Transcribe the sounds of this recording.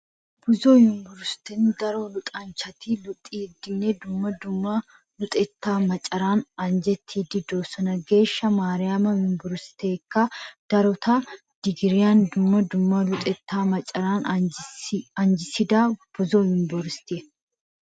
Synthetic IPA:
b̥ʊzɔjɪmbɔɾst̪ɪnd̪ɐɾɔlʊt̪ʼɐnt͡ʃɐt̪iːlʊt̪ʼːiːd̪ːɪnːed̪ʊmːɐd̪ʊmːɐ | lʊt̪ʼɛt̪ːaːmɐt͡ʃʼːɐɾaːnɐnd͡ʒɛt̪ʰːiːd̪ɪd̪oːsɔnɐɡe̞ːʃːɐmaːɾɪjaːmɐjɪmbɔɾst̪e̞ːkːɐd̪̥ɐɾɔt̪ɐ | d̪̥ɪɡɪɾɪjaːnd̪ʊmːɐd̪ʊmːɐlʊt̪ʼɛt̪ːaːmɐt͡ʃʼɐɾaːn | ɐnd͡ʒɪsɪd̪aːb̥ʊzɔjɪmbɔɾst̪ɪ

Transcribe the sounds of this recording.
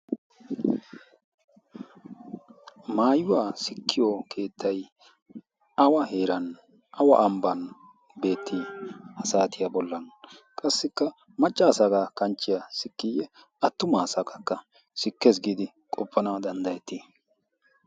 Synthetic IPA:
maːjʊwaːsɪkʰːɪjokʰe̞ːt̪ːɐj | ɐwɐheːɾɐn | ʔɐwɐ̰ʔɐmbɐn | be̞ːt̪ːihɐsaːt̪ɪjɐbɔlːɐn | kʼɐsːɪkːɐ | mɐt͡ʃʼːaːsaɡakɐnt͡ʃːɪjɐsɪkːijɛ | ɐt̪ːʊmaːsɐkɐkːɐ | sɪkːes̬ɡiːd̪ɪ | kʼɔpʰːɐnad̪ɐnd̪ɐjɛt̪ːi

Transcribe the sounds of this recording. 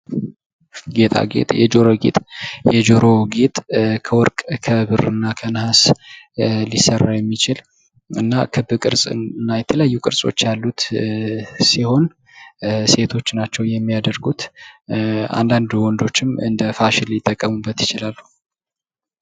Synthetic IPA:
ɡe̞t̪ʰʼa̰ɡḛt̪ʼjɛ̰d͡ʒo̞ɾo̞ɡḛt̪ʼjɛd͡ʒo̞ɾo̞ɡet̪ʼkʰəwɔɾkʼkʰəβɨrɨnːakʰənhas | lisərːajɛmːit͡ʃɪl | ɨnːa̰kʰɨbɨkʼɨɾsʼɨnːajɛt̪ʰələjajːukʼɨɾsʼo̞̰t͡ʃːjalːut̪ | siho̞n | se̞t̪ʰo̞t͡ʃːnat͡ʃːɛwjɛmːijad̪əɾɡut̪ | a̰nd̪and̪wɔnd̪o̞t͡ʃːɪmɨ̰nd̪əfaʃɪljɪt̪ʼːəkʼːəmubːət̪jɪt͡ʃɪlalːu

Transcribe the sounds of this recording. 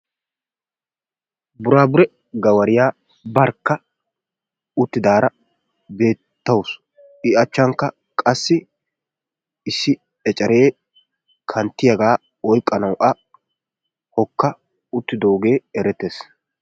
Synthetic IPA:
bʊɾaːbʊɾɛ | ɡɐwɐɾɪjaː | bɐɾkːɐ | ʊt̪ːɪd̪aːɾɐ | be̞ːtt̪ːɐws | ɪɐt͡ʃːɐŋkːɐ | kʼɐsːɪ | ɪsːɪ | ɛt͡ʃʼɐɾe̞ː | kʰɐnt̪ːɪjɐɡaː | ɔjkʼːɐnɐwʔɐ | hɔkːɐ | ʊt̪ːɪd̪o̞ːɡe̞ːɛɾɛt̪ːes

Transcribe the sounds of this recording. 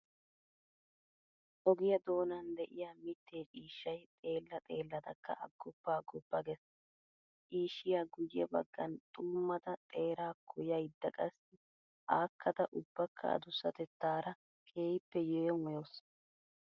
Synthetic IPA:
ʔɔɡɪjɐd̪o̞ːnɐnd̪ɛʔɪjaːmɪt̪ːeːt͡ʃʼiːʃːɐjt̪ʼe̞ːlːɐt̪ʼe̞ːlːɐd̪ɐkʰːɐ̰ʔɐɡːɔpːaːɡɔpːɐɡɛs | t͡ʃiːʃːɪjaːɡʊjɛ̰bɐ̰ɡːɐ̰nt̪ʼuːmːɐt̪ɐt̪ʼe̞ːɾaːkʰːʊjɐjd̪ːɐkʼɐsɪ | ʔaːkʰːɐt̪ɐʔʊb̥ːɐkʰːɐ̰ɐ̰d̪ʊsːɐt̪ɛt̪ːaːɾɐ | kʰʼe̞ːjpːɛjɛːjɔŋʊjoːs

